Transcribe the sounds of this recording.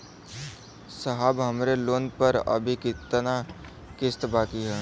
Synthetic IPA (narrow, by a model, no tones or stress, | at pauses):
səɦaːbɦəmɾeloːnpəɾə̰bʱikɪt̪na | kɪst̪baːkiɦɛː